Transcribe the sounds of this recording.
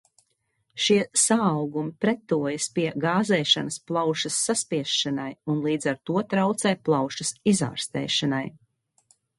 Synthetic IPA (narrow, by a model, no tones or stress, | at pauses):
ʃiɛsaːwɡumipɾɛt̪ːuɔjəspiɛɡaːzɛːʃa̰nɐsplˠawʃɐsːaspiɛʃʃanajunlˠiːd̪zaɾt̪uɔt̪ɾawt̪sɛjplˠɑwʃɐsiza̰ːɾst̪ɛ̰ːʃana̰j